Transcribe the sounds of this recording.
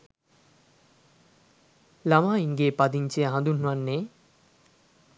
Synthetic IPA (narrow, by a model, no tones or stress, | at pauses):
lamaːiŋɡeːpad̪iɲt͡ʃiɦãd̪unuanːe